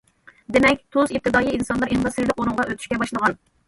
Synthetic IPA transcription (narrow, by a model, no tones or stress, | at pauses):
d̪emɛkʲt̪ʰozip̚t̪ʰɨd̪ɑːjiinsɑnlˠɑɾiŋɑsɨɾlˠɪqonɨŋʁɑʔøt̪ʰy̥ʃʲkʲɛbɑʃlˠəʁɑn